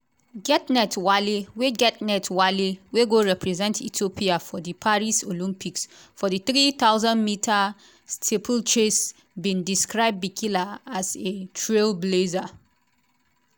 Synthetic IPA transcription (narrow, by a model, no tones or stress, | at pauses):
ɡɛtnɛtwaliweɡɛt̚nɛtwaliweɡoɹɛpʰɹɛzɛ̃ntitopʰiafɔdipʰaɹisolĩmpiksfɔdiθɹiθaʊzãnmitʰa | stʰepʰəlt͡ʃes | bĩndiskɹaɪb̚bikʰilaazetʰɹelbleza